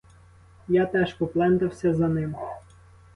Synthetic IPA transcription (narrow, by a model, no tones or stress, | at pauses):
jat̪ɛʃpɔplˠɛnt̪ɐwsʲɐzɐnɪm